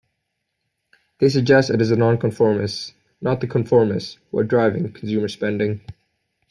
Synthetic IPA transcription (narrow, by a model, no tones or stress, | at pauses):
ðeɪs̬ɨɡ̚d͡ʒɛstɨɾɨzɨnɑ̃nkʰə̃ɱfɔɹmɨs | nət̪̚ðɨkʰə̃ɱfɔɹmɨswə̰dɹaɪvɪ̰̃ŋkʰn̩sʉmə˞spɛ̃ndɪ̃ŋ